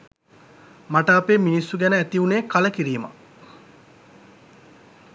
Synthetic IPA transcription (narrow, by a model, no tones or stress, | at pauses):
maʈɐːpeːminisːuɡænəæt̪iuneːkaləkiɾiːmɐ̰